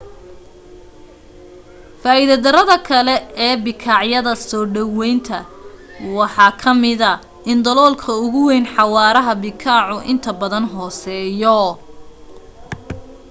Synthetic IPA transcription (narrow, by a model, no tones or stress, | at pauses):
faːiðɐd̪ɐɾɐðɐkʰɐlɛɛːbɪkʰɑːʕjɐðɐsɔːɖɐwɛjnt̪ʰɐ | wɑħɑːkʰɐmɪðɐ | ɪnd̪ɐlɔːlkʰɐʊɣʊwɛjnħɑwɑːɾɐɦɐbɪkʰɑːʕʊʔɪ̰nt̪ʰɐbɐðɐnɦɔːsɛːjɔ